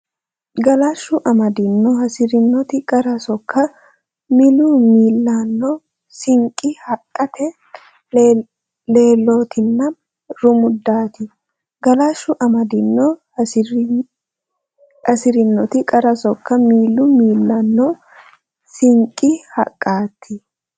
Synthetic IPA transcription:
ɡɐlaʃːʊʔɐmɐd̪ɪnːɔhɐsɪɾɪnːɔt̪ɪkʼɐɾɐsɔkʰːɐ | mɪlʊmiːlːanːɔ | sɪŋkʼːɪhɐkʼːɐt̪ɛ | le̞ːlːoːt̪ʰɪnːɐ | ɾʊmʊd̪ːaːt̪ɪ | ɡɐlaːʃːʊʔɐmɐd̪ɪnːɔ | ɐsɪɾɪnːɔt̪ɪkʼɐɾɐsɔkːɐmiːlːʊmiːlːɐnːɔ | sɪŋkʼːɪhɐ̰kʼːaːt̪ʰːɪ

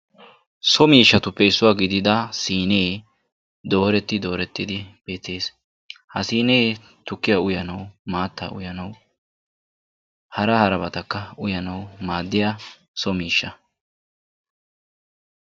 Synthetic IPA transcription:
sɔmiːʃːɐt̪ʊpːɛɪsːʊwaːɡɪd̪ɪd̪ɐsiːne̞ː | d̪o̞ːɾɛt̪ːɪd̪o̞ːɾɛt̪ːɪd̪ɪb̥eːt̪e̞ːs | hɐsiːne̞ː | t̪ʊkːɪjɐʊjɐnɐwmaːt̪ːɐ̰ːʔʊ̰jɐnɐw | hɐɾɐhɐɾɐbɐt̪ɐkːɐʊjɐnɐwmaːd̪ːɪja | sɔmiːʃːɐ

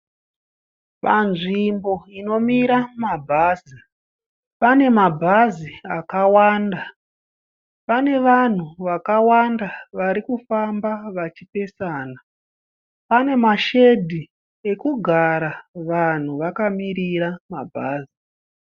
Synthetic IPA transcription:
pa̰nʐimbo̞ino̞miɾamabʱaːzi | pane̞mabʱaziakawaːnda | pane̞ʋan̤uʋakawandaʋaɾikufambaʋat͡ʃipe̞saːna | pane̞maʃe̞dʱi | e̞kuɡʱaɾaʋan̤uʋakamiriɾamabʱaːzi

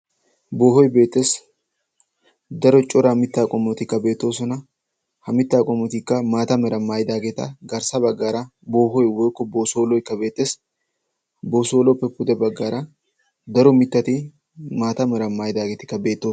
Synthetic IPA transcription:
bo̞ːhɔjbe̞ːt̪ːe̞ːs | d̪ɐɾɔt͡ʃʼɔɾamɪt̪ːaːkʼɔmːɔt̪ɪkːɐbe̞ːt̪ːo̞ːsɔnɐ | hɐmɪt̪ːaːkʼɔmːɔt̪ɪkːɐmaːt̪ɐmɛɾɐmːaːjd̪aːɡet̪ɐɡɐɾsɐbɐɡːaːɾɐbo̞ːɦɔjwɔjkːɔboːsoːlɔɪkːɐbe̞ːt̪ːe̞ːs | bo̞ːsoːlɔpːɛpːʊd̪ɛbɐɡːaːɾɐ | d̪ɐɾɔmɪt̪ːɐt̪ɪ | maːt̪ɐmɛɾɐmːaːjd̪aːɡet̪ɪ̥kːɐbe̞ːt̪ːoː

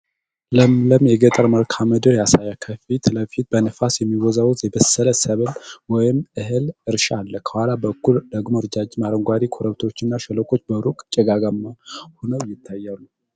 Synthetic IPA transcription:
ləmləmjɛɡət̪ʼəɾməlkʰaməd̪ɨɾjasajakʰəfit̪ʰləfit̪̚bənɨfasjɛmːiwɔzawut̪jɛbəsələsəβɨlwɔjɪmɨɦɨlɨɾʃalːəkʰə̥hʷalabəkʰːuld̪əɡmoɾd͡ʒad͡ʒmaɾəŋɡʷwad̪ikʰoɾəβt̪ʰo̞t͡ʃːɪnːaʃɛləkʼo̞t͡ʃːbəɾukʼt͡ʃʼɛɡaɡamahonəwjɪt̪ʰːajːalu

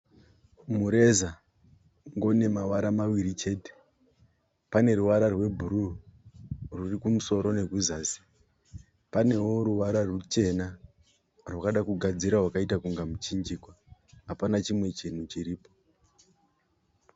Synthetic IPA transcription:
muɾe̞za | ŋɡo̞ne̞maʋaɾamawiɾit͡ʃe̞ːte̥ | pane̞ɾuʋaɾarwe̞bʱuɾu | rurikumuso̞ɾo̞ne̞ɡʱuzaːsi̥ | pane̞wo̞ɾuʋaɾarwet͡ʃe̞na | rwakaɗakuɡʱad͡ziɾaɦwakaitakuŋɡamut͡ʃind͡ʒikwaːpanat͡ʃimwe̞t͡ʃin̤ut͡ʃiɾiːpo

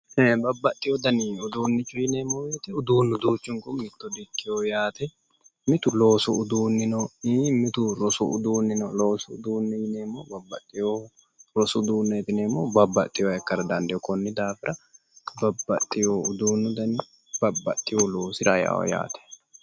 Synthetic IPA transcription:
bɐbːɐt̪ʼːɪjɔd̪ɐnɪʊd̪uːnːɪt͡ʃːʊjɪneːmoːjet̪ɪʊd̪uːnːʊd̪uːt͡ʃːʊŋkɔmmɪt̪ːɔd̪ɪkʼːɪjojaːt̪ɛ | mɪt̪ʊloːsʊʊd̪uːnːɪnoiːmɪt̪ʊɾɔsʊ̰ʊ̰d̪uːnːɪnoloːsʊʊd̪uːnːɛjɪneːmːoːbɐbːɐt̪ʼːɪjoː | ɾɔsʊʊd̪uːnːɛɛt̪ɪneːmːobɐbːɐt̪ʼːɪjoːɛkːɐɾɐd̪ɐnd̪ɛɔkɔnːɪd̪aːfɪɾʔɐ | bɐbːɐt̪ʼːɪjoːʊd̪uːnːʊd̪ɐnɪ | b̥ɐbːɐ̰t̪ʼːɪjoloːsɪɾɐja̰ːɔ̰ja̰ːt̪ɛ̥

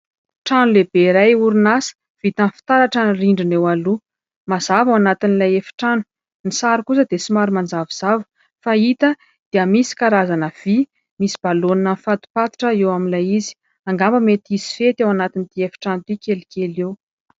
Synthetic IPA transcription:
ʈ͡ʂanulebeɾajuɾinasə̥ | v̥it̪anfi̥t̪aɾaʈ͡ʂənriɳɖ͡ʐinewalu | maz̥avawanat̪inilajefi̥ʈ͡ʂanu̥ | nisaɾikusəd̪esimaɾumand͡zaviz̥avu̥ | fait̪ə | d̪̥eəmisi̥kaɾazanəv̥i | misi̥b̥aloninanfat̪u̥pat̪i̥ʈ͡ʂəewaminlajizi̥ | aŋɡambəmet̪izi̥fet̪awanat̪init̪iefi̥ʈ͡ʂanut̪ikelikʲelew

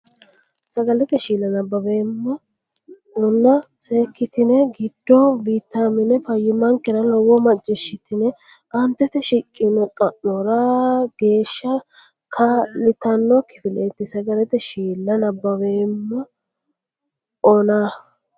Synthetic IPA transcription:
sɐɡɐlɛt̪ɛʃiːlːɐnɐbːɐbeːmːɐ | ʊnːɐ | se̞ːkːɪt̪ɪnɛɡɪd̪̥ːɔbiːt̪ːaːmɪnɛfɐjːɪmɐŋkːɛɾɐlɔwːɔmɐt͡ʃd͡ʒːɪʃːɪt̪ɪnɛ | ʔɐnt̪ːɛt̪ɛʃɪkʼːɪnɔt̪ʼɐʔːɔɾɐɡ̥e̞ːʃːɐ | kʰɐlɪt̪ɐnːɔkɪ̥fɪleːt̪ːɪsɐɡɐlɛt̪ɛʃiːlːɐnɐbːɐweːmːɐ | ɔna

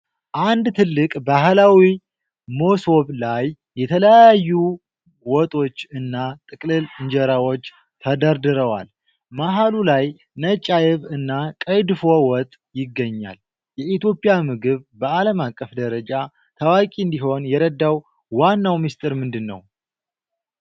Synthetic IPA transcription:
ʔand̪t̪ʰɨlːɨkʼbaɦlawi | mo̞so̞βlajːɛt̪ʰələjajːu | wɔt̪ʼo̞t͡ʃːɨnːat̪ʼɨkʼlɨlɨɲd͡ʒɛɾawo̞t͡ʃː | t̪ʰəd̪əɾd̪ɨɾəwa̰l | maɦalulaj | nət͡ʃʼːajɪβɨnːakʼəjd̪ɨfo̞wɔt̪ʼː | jɪɡːəɲːa̰l | jɛit̪jo̞pʼɪjamɨɡɨβbəaləmakʼːəfd̪əɾəd͡ʒa | t̪ʰawakʼiɨnd̪iɦo̞njɛɾəd̪ːawː | anːawmist̪ʼɨɾmɨnd̪ɨnːə̰w

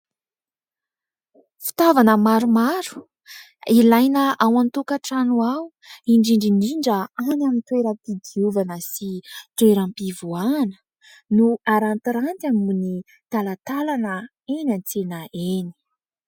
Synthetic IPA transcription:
fi̥t̪avanəmaɾumaɾu̥ | ilajnəawant̪ukaʈ͡ʂanuwaw | iɳɖ͡ʐiɳɖ͡ʐiniɳɖ͡ʐəanamint̪weɾəmpid̪iuvanəsit̪weɾampivuanə̥ | nuaɾant̪iɾant̪ammuni | t̪alat̪alanə | enant͡senəeni̥

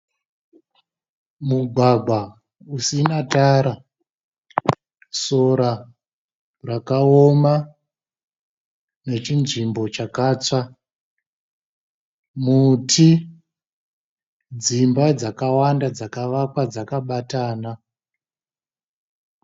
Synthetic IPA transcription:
muɡʱwaɡʱwa | usinataɾa | so̞ɾa | rakaoma | ne̞t͡ʃinʐimbo̞t͡ʃakaːt͡sa | mutʰi | d͡zimbad͡zakawandad͡zakaʋakwad͡zakaɓataːna

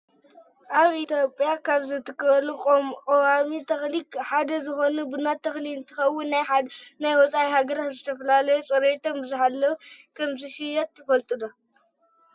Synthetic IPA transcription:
ʔaβit̪ʰjo̞pʼjakʰaβzɨt̪ʰɨkbɐlukʼomkʼɐwamit̪ʰɐxlikħad̪ɐzɨxo̞nubɨnat̪ʰːɐxlint̪ʰɨxɐwːʊnːajnajwɔt͡sʼaihaɡɐɾat̪zɨt̪ʰɐfɐlalɐjot͡sʼɐɾet̪ʰombɨzɨħalːɐwkʰɐmzɨʃijɐt̪jɪfɐlt̪ʼɨd̪o

